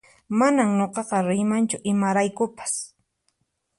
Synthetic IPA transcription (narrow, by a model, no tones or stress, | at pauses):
manamɲoqɑqɑɾɪjmant͡ʃʊʔɪmaɾajkʊpḁs